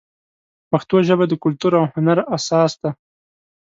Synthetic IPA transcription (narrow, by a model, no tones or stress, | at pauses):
paxt̪oʒəbad̪əkʊlt̪uɾawhʊnaɾasɑsd̪a